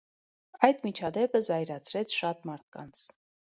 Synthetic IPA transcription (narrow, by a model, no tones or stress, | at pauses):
ɑjd̪mit͡ʃʰɑd̪ɛpəzɑjɾɑt͡sʰɾɛt͡sʰʃɑt̪mɑɾt̪̚ʰkɑ̰nt͡sʰ